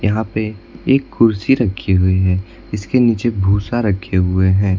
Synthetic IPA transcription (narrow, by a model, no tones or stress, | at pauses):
jɐɦãpeeːkːʊɾsiɾɐkʰːeɦʊiɦɛː | ɪskeniːt͡ʃebʱuːsaɾɐkʰːeɦʊeɦɛ̃ː